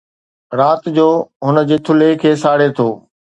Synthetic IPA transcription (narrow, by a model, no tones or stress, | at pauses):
ɾaːt̪d͡ʑoːɦʊnəd͡ʑeːt̪ʰʊlekʰeːsaːɽet̪ʰoː